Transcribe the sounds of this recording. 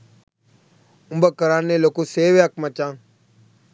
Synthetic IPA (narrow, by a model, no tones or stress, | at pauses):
ʊmbəkːəɾaːnːeloːkoːseːweakmət͡ʃãː